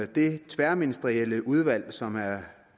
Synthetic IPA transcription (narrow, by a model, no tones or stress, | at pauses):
d̥e̝t͡sʰʋæɐminisd̥əʁieləʔuð̞ˠʋæl̰sɒ̽mæɐ